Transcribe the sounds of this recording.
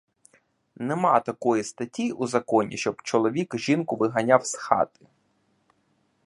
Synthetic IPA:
nemɑt̪ɐkɔjist̪ɐtʲiuzɐkɔnʲḭʃt͡ʃɔbt͡ʃɔlˠɔʋʲikʒinkʊʋɪɦɐnʲawsxɑ̰t̪ɪ̥

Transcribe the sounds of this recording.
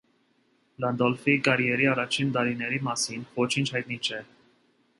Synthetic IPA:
lɑnd̪ɔlfikɑɾjɛɾiɑrɑt͡ʃʰint̪ɑɾinɛɾimɑsinvɔt͡ʃʰint͡ʃʰhɑjt̪nit͡ʃʰɛ

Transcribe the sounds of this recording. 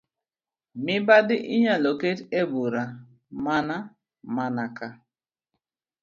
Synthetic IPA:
mɪbadɪʔiɲaloketebuɾa | mana | manaka

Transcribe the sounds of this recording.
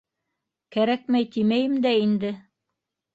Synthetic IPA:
kæɾæk̚mæjt̪imæjɘmd̪æind̪ɘ

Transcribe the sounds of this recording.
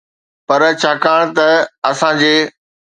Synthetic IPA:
pɐɾt͡ɕʰaːkaːɽ̃t̪ɐɐsãd͡ʑeː

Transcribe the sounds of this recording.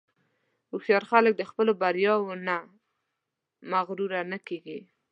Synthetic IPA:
uxjɑɾxalək̚d̪əxpəlobaɾjɑwona | maɣɾuɾanakeɡi

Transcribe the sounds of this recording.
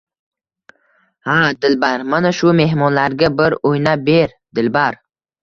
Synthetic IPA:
had̪ɪlbaɾmanaʃʊme̞ɦmɒnlaɾɡʲabɪɾojnabe̞ɾ | d̪̥ɪlbaɾ

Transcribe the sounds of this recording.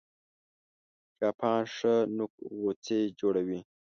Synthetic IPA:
d͡ʒɑːpʰɑːnʂənukwot͡sed͡ʒoɽawi

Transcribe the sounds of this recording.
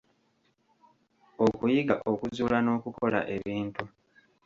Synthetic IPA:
okujiɡaʔo̞kuzuːlano̞ːkuko̞la̰ʔe̞βiːntu

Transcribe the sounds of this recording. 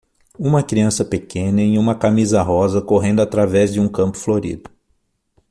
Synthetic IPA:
ũmɐkɾiɐ̃sɐpekʰẽnɐẽũmɐkamizɐɦɔzɐkoɦẽnd̪ʊat̪ɾavɛzd͡ʒɪũkɐ̃mpʊ̥floɾḭd̪ʊ̥

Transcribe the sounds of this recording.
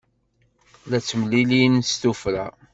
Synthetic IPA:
læt͡sːəmlilinst̪ufɾæ̰

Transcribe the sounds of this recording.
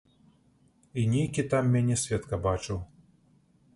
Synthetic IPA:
inʲɛjkʲit̪amːʲanʲɛsʲvʲɛt̪kɐbat͡ʂɨw

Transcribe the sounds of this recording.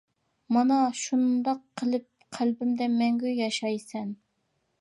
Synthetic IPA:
mɑnɑʃund̪ɑqʰːəlˠɨp̚qʰælbɪmd̪ɛmɛŋɡʲyjɑʃɑjsɛn

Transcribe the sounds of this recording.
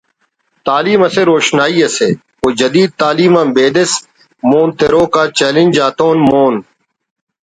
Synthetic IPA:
t̪aːliːmɐseːɾoːʃnaːiːeseː | koːd͡ʒɐd̪iːd̪̚t̪aːliːmãːbeːd̪ɪs | moːnt̪eɾoːkaːt͡ʃeːlɪ̃nʲd͡ʒaːt̪oːnmoːn

